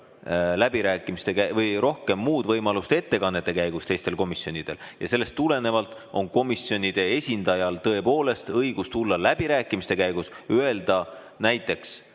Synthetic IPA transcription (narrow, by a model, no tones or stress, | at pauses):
læb̥iɾæːkːˑimist̪e̞kævɤjro̞hke̞mːuːd̪̥vɤjmɑlust̪e̞t̪ːe̞kɑnːe̞t̪ːˑe̞kæjɡ̥ust̪e̞jst̪e̞lko̞misjo̞nid̪̥e̞ljɑ̰se̞lːe̞st̪ːule̞ne̞vɑlt̪ˑ | o̞nko̞misjo̞nʲid̪̥e̞e̞sʲind̪̥ɑjɑlt̪ɤ̞e̞po̞ːle̞st̪ɤjɡ̥ust̪ulːɑlæb̥iɾæːkˑːimist̪e̞kæjɡ̥usye̞ld̪̥ɑ | næjt̪ːˑe̞ks